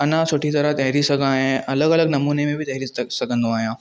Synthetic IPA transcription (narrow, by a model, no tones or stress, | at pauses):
ɐnãsoːʈʰit̪ɐɾət̪ɐɦɾisɐɡʱãaːɦẽɐləɡɐləɡnɐmuːnemẽbʱit̪ɐɦjɾisɐɡʱə̃nd̪õaːɦjã